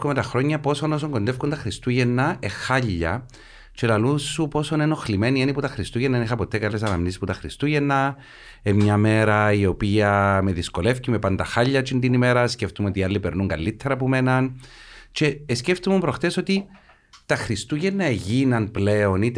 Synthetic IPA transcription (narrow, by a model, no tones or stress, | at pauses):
komet̪ɐxɾo̞ɲːɐpo̞so̞no̞s̬oŋɡo̞nd̪efkunt̪ɐxɾist̪uʝenːɐe̞xaʎːɐ̰ | t͡ʃe̞lɐlusːupo̞so̞neno̞xlime̞nieniput̪ɐxɾist̪uʝenːɐenixɐpo̞t̪e̞kɐlesɐnɐmnisisput̪ɐxɾist̪uʝenːɐ | emɲɐme̞ɾɐio̞piɐme̞ðisko̞le̞fcime̞pɐnd̪ɐxaʎːɐt͡ʃind̪inime̞ɾɐsce̞ft̪umo̞t̪ialːipe̞ɾnuŋɡɐlːit̪ʰːeɾɐpume̞nɐnt͡ʃe̞ːsceft̪umumpɾo̞xt̪e̞so̞t̪i | t̪ɐxɾist̪uʝenːɐeʝinɐnpleonit̪